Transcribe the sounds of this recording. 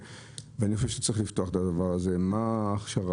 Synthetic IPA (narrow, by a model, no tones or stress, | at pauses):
veanixoʃevʃe̥t͡sʁiχlift̪oaχet̪ad̪avaʁazemaːχʃaʁa